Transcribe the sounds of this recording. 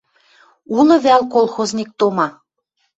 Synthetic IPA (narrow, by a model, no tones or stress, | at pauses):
ulɤ̆βælkolˠxoznʲik̚t̪omɑ